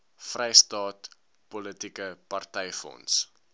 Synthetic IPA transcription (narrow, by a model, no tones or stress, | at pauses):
frɛjstɑːt | pɔlətikəpɐrtɛjfɔ̰ns